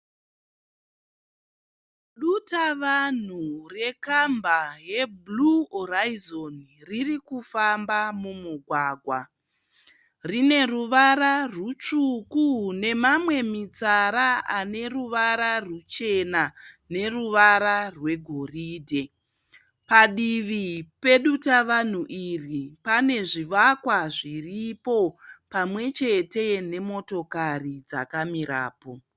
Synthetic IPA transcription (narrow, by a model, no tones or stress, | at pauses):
ɗutaʋan̤ure̞kambaje̞bluoraizon | ririkufambamumuɡʱwaːɡʱwa | rine̞ruʋaɾarut͡ʃukune̞mamwe̞mit͡saɾaane̞ruʋaɾarut͡ʃe̞na | ne̞ruʋaɾarwe̞ɡʱo̞riːdʱe̞ | paɗiʋipe̞ɗutaʋan̤uʔiripane̞ʐiʋakwaʐiripo̞pamwe̞t͡ʃe̞te̞ne̞mo̞to̞karid͡za̰kamiɾa̰ːpo̞